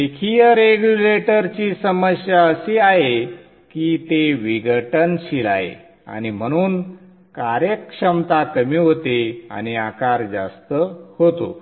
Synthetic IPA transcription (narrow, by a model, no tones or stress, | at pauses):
ekʰijəɾeɡjuleʈəɾt͡ɕiːsəməɕjaəseaɦe | kiːt̪eʋiɡəʈənɕila̰ɦḛ | a̰nim̤əɽ̃uːn | kaɾjəkʂəmt̪at̪əmiːɦot̪ea̰ñiakaɾd͡za̰st̪əhot̪o̰